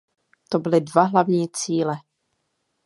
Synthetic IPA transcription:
t̪obɪlɪdvaɦlavɲiːt͡siːlɛ

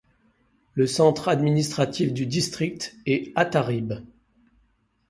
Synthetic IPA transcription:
ləsɑ̃t̪χad̪minist̪χat̪ifd̪yd̪ist̪χik̚t̪ɛat̪aʁib

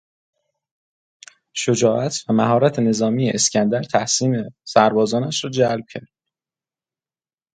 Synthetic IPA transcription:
ʃod͡ʒɒːʔæt̪ʰvæmæɦɒːɾæt̪ʰe̞ne̞zɒːmiːjeʔescʰænd̪æɾt̪ʰæhsiːme̞sæɾbɒːzɒːnæʃɾɒːd͡ʒælb̥̚cʰæɾd̪̥̚

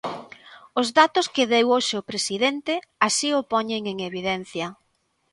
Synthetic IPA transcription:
ʊzðat̪ʊskeðewoʃeʊpɾesiðent̪ɪasiʊpɔɲeŋeŋeβiðɛn̟θjɐ

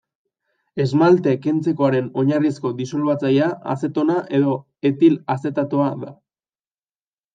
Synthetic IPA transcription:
e̞zmalt̪e̞kent͡se̞ko̞aɾe̞no̞ɲarisko̞d̪iso̞lβat͡sajaa̰se̞t̪o̞naʔe̞ðo̞ | e̞t̪ilase̞t̪at̪oaða

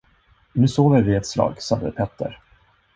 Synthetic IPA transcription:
nʉ̟ːsoːvəɾvɪɛt̪slɑ̰ːɡsad̪ə̰pʰɛt̪ʰːə̰ɾ

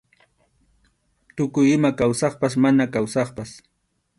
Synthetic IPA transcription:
t̪ʊkʊjɪmakawsɑχpas̬manakawsɑχpas

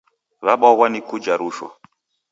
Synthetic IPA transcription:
βaɓɔwanikud͡ʒaɾuʃwa̰

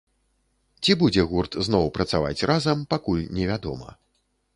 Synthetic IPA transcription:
t͡sʲibud͡zʲɛɣurt̪znɔwpɾɐt̪sava̰t͡sʲrʔazɐmpakulʲnʲɛvʲad̪ɔ̰mɐ̰

